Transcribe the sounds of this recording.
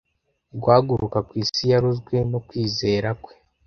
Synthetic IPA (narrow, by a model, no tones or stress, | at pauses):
ɡwaːɡuɾʔukakwiːsijaɾuzɡwe̞no̞kwiːze̞ːɾakwe̞̥